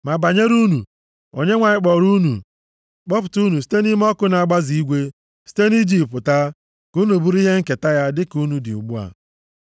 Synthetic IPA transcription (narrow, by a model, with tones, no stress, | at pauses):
ma˨ba˨ɲe˦ɾu˦nu˨ | o̰˨ɲe˦ŋʷa˨ɲɪ˦k͡pɔ˨ɾu˦nṵ˨ | k͡pɔ˦p̬ʊ˨tu˦nu˨s̬i̥˦te˦ni˦m˦ɔ˦kʊ˦na˨ɡ͡ba˦zi˨i˦ɡʷe˦ | si̥˦te˦ni˦d͡ʒi˦˨pʊ˨ta˦ | ku˦nu˨bu˦ɾi˦ɦe˦ŋ̩˦ke˨ta˦ja˦dɪ˦ku˦nu˨dɪ̰˨ṵ˨ɡ͡bu˦a̰˨